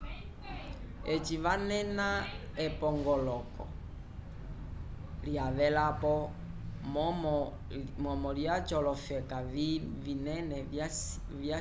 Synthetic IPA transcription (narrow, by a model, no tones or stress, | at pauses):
ɛt͡ʃiʋanɛnaɛpɔŋɡɔlɔkɔ̰ | liaʋɛlapɔ | mmɔ | mɔmɔliat͡ʃɔlɔfɛkavinɛnɛ | ja